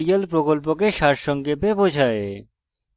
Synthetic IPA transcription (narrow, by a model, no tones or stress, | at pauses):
ijəlpɾokɔlp̬okeʃaʈʃɔ̃ŋɡebebod͡ʒʱaḛ